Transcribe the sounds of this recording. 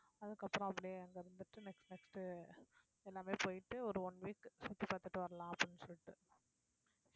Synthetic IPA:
ɐðɯkːɐpːɯɾɔ̃ɐpːɐɽɪjeɛŋɡɐɪɾɯnd̪ɯʈːɯnɛksʈnɛksʈɯ | ɛlːaːmeːpoːjɪʈːɯɔɾɯɔɳʋiːksʊt̪ːipaːt̪ɯʈːɯʋɐɾɐlãːɐpːɐɽinːɯsɔlːɪʈːɯ

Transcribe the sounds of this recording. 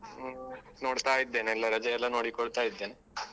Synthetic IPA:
noːɽt̪aːjid̪ːeneelːaɾɐd͡ʒɐjɐlːanoːɽikoɽt̪aːjid̪ːene

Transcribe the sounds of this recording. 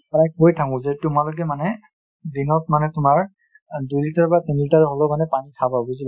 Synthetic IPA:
pajk̚bojtʰakũzetʊmalok̬ɛmanɛ | dinɔt̚manɛtʊmaɹ | dujlitaɹbatenilitaɹɦɔlomanɛpanikʰababuzil

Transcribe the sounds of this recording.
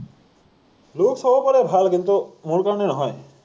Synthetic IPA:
loksɔbɔpɔɾebʱalkint̪umuɾkaɾɔnenɔɦɔj

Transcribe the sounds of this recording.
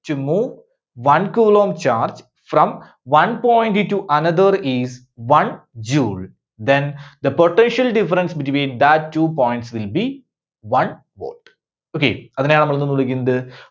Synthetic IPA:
tumːu | ʋɐnkuːɭoːmt͡ɕaːrd͡ʑ | frɐ̃m | ʋɐ̃npoːj̃ɳʈitːuʔɐnɐðɐriz | ʋɐ̃nd͡ʑuːɭ | d̪ẽnd̪ɐpoʈːenʂɐlɖifɐɾɐnsbitʋĩːnd̪ɐtːuːpoːjɳʈsʋilbi | ʋɐn | ʋo̰ːʈ | oːkḛɐðinejaɳnɐmɐɭonːunːuɭukʲːunːɐðɨ

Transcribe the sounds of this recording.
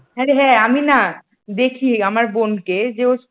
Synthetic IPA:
ɦaɾeɦɛ̃amina | d̪ekʰiamaɾbonked͡ʑeos

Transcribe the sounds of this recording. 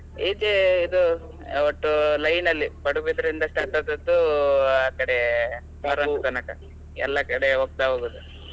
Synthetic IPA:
eːd͡ʒeid̪u | oʈːulɐjnɐlːipɐɽubid̪ɐɾind̪ɐsʈaːʈɐd̪ɐd̪ːuaːkɐɽe | paɾɐukɐnɐkɐ̰ | ɛ̰lːɐkɐɽeɦok̚t̪aɦoːɡud̪u

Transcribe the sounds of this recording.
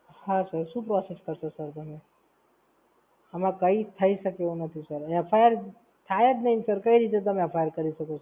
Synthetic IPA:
hãsəɾsupɾɔːseskəɾsəɾsəɾt̪ɐmẽ | ɐmãkɐit̪ʰɐisɐkeonɐt̪ʰisəɾepʰajəɾ | t̪ʰaet̪nɐɦĩsəɾkɐiɾiːt̪̬et̪̬ɐmeɐpʰajəɾkɐɾisɐkos

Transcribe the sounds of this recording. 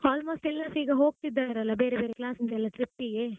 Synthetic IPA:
aːlmoːsʈilːɐsʈiːɡɐɦoːɡ̚t̪id̪ːaːɾɐlːɐbeːɾebeːɾeklaːsɐnd̪ɛlːɐʈɾipːiɡe

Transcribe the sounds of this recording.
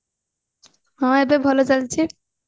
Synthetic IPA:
mamaebebʱalot͡ɕalt͡ɕʰi

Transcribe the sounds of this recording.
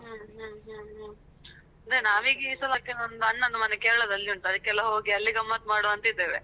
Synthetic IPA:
ɦuɦuɦuɦu | ɐnd̪ɾenaːʋiːɡisɐlaːkːenɐnd̪uɐɳːɐd̪umɐnekeːɭɐd̪ɐlːiuɳʈ̪ɐd̪ɯkːɛlːaɦoːɡiɐlːiɡɐmːɐt̪̚maːɽuɐnt̪id̪eːʋḛ

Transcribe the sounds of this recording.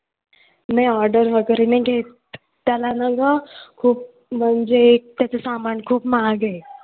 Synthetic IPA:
najɔɾɖəɾʋəɡəɾinə̃jɡʱet̪ | t̪jalanəɡəkʰuːp̚ | m̤əɳd͡zek̚t̪jat͡sesamankʰuːpmaɡe

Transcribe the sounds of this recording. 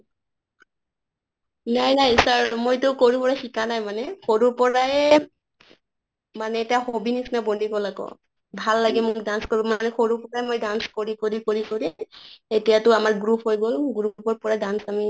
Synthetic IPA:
najnajsaɹmojtʊkoɹipɔɹaxikanajmanɛxoɹuɹpɔɹajɛ | manɛtijaxobinisnabondʱikɔlaɡɔ̰ | bʱalːaɡɛmʊkdanskoɹimanɛxoɹupɔɹaɛmojdanskoɹikoɹikoɹikoɹɛetijatʊamaɹɡɹupɦojɡolɡɹupɔɹpɔɹadansami

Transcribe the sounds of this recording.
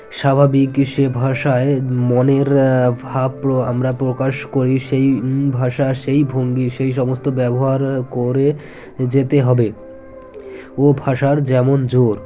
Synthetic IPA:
ʃabʱabikʃebʱaʃaemoneɾbʱabpɾoa̰mɾapɾokaʃkoɾiʃejbʱaʃaʃejbʱoŋɡiʃejʃ̬ɔmost̪obɛboɦaɾkoɾe | d͡ʑet̪eɦɔbe | obʱaʃaɾd͡ʑɛmond͡ʑoɾ

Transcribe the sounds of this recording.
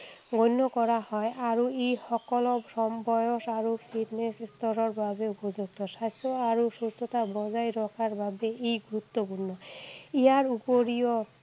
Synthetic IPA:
ɡʱonːɔkɔɹahɔejʔaɹuejxɔkɔlɔsɔmbɔjoʃaɹupʰiʈnesist̪ɔɾɔɹbabeupod͡ʑuɡ̚t̪ɔʃast̪ʰɔaɾusust̪ʰɔt̪abɔzajɾɔkʰaɹbabeʔejɡuɾut̪ːopuɾnːɔiaɹupoɾiɔ

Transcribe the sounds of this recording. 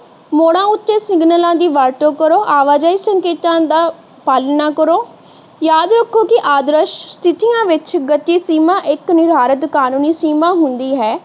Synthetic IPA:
moːɽãːʊt̪ːeːsɪ̃ŋɡnəlãːd̪iːʋaːɾʈoːkəɾoːʔaːʋaːd͡ʒaːiːsəŋkeːt̪ãːd̪aː | paːlnaːkəɾoː | jaːd̪ɾəkʰːoːkɪʔaːd̪ɾəʃst̪ʰɪt̪ijãːʋɪt͡ʃɡət̪iːsiːmãːʔɪknɪɾɦaːɾət̪kaːnũːniːsiːmãːɦʊnd̪iːɦɛː

